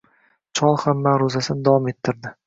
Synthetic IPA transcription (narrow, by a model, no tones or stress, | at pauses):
t͡ʃʰɒlˠhamːaɾozasɪnɪd̪avɒme̞t̪ʰːɪɾd̪ɪ